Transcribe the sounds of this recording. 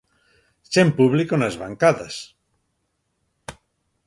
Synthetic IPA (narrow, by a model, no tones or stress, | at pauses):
t͡ʃempuβlikonazβa̰ŋkaðas